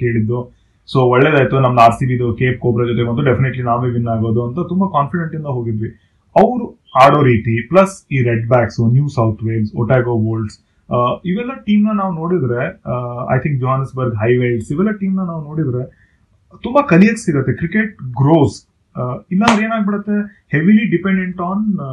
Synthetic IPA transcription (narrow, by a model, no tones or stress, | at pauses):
ke̞ːɽid̪ːu | soːʋɔɭːeːd̪aːjt̪unɐmːɐd̪aːɾsiːbid̪ukeːp̚koːpɾɐd͡ʒot̪emɐt̪ːuɖepʰineʈlinaːʋeːʋinːaːɡoːd̪uɐnt̪ɐt̪umbɐkaːnfiɽeɳʈind̪ɐɦoːɡid̪ʋi | ɐʋɾuhaːɽoɾiːt̪iplɐsiːɾeɖbaːksunjuːsɐwt̪ʰʋeːʋso̰ʈaːɡoːboːlɖs | iʋɛlːɐʈiːmnɐnaːʋuno̞ːɽid̪ɾe̞ɐ̰jt̪ʰiŋk̚d͡ʒoːɦaːnɐsbɐɾɡɦɐjʋeːʋsiʋɛlːɐʈiːmnɐnaːʋunoːɽid̪ɾe̞ | t̪umbɐkɐlijɐksiɡɐt̪ːe̞kɾikeʈ̚ɡɾoːs | ilːɐɐʋɾe̞ːnaːɡ̚biɽɐt̪ːe̞ | heʋiliɖipeɳɖeɳʈaːn